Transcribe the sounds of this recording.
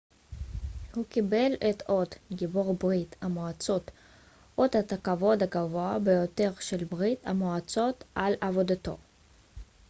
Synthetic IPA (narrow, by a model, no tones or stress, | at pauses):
hukibe̞let̪od̪ɡiboʁbʁit̪amoat͡so̞t̪ | ʔod̪at̪akavo̞d̪aɡavoabejo̞t̪e̞ʁʃelbʁit̪a̰moat͡so̞t̪ʔalavo̞d̪at̪o̞̰